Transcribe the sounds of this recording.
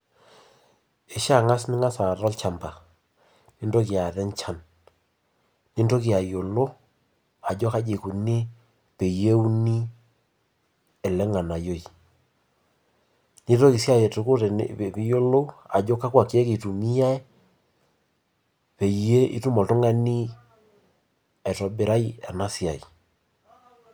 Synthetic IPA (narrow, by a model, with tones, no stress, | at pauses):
e˨ʃa˦˨ŋa˦snɪ˦ŋa˦sa˨ɾɔ˦lt͡ʃa˨mba˨ | ni˦ndo˦ki˨a˨ðɛ˦ɲt͡ʃa˦n | ni˦ndo˦k̬i˨a˨jo˨lo˦ | a˨d͡ʒɔ˦ka˦d͡ʒe˨ku˨ne˦ | pe˨je˦u˦ni˦ | ɛ˨lɛ˦ŋa˨na˨jo˦˨i˨ | ni˦to˦ki˨sja˦jɛ˨to˨˦ko˦ɾ̰pi˨jo˦lo˦u˦a̰˨d͡ʒɔ˦ka˦kwa˨ki˨ɛ˦ki˨tu˨mi˦ja˦ɛ˦ | pɛ˨e˦ḭ˨tu˦mɔ˨tʊ˦ŋa˦ni˦ | ɛ˨tɔ˨be˨ɾa˦i˦ɛ˨na˦si˨a˨i˨